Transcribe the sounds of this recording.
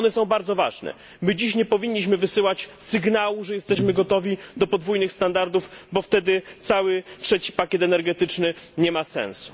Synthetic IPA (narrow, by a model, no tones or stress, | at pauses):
nɛsɔ̃w̃baɾd̪zɔva̰ʐnɛ̰ | mɘd͡ʑiɕɲɛpɔvʲiɲːiɕ̬mɘvɘsɘwat͡ɕsɘɡnawuʐɛjɛst̪ɛɕmɘɡɔt̪ɔvʲid̪ɔpɔd̪vujnɘxst̪and̪aɾd̪ufbɔft̪ɛd̪ɘt̪sawɘtʂɛt͡ɕi̥pakʲɛt̪ɛnɛɾɡɛt̪ɘt͡ʂnɘɲɛmasɛ̰̃ñsu̥